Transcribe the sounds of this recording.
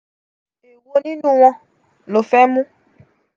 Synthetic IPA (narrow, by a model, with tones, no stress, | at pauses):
e˨wo˦nĩ˦nũ˦w̃ɔ̃˧ | lo˨fɛ˦mũ˦